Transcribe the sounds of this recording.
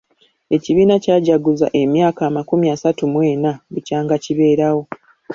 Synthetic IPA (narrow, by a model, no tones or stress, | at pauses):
e̞ciβiːnacaːɟaɡuza̰ʔe̞mjaːkaːmakumiasatumwe̞ːnaβucaːŋɡaciβe̞ːɾawo̞